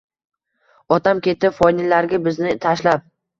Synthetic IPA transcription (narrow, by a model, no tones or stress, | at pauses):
ɒt̪ʰamkʲe̞t̪ɪfɒjnɪlːaɾɡʲabɪznɪt̪ʰaʃlap̚